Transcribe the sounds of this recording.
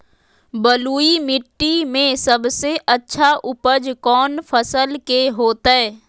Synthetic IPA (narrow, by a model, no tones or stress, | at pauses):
bəluːimɪʈːimẽsəbseʔɐtːʃʰaʔʊpəd͡ʒkɔːnfʰəsəlkeɦoːt̪aɦɛː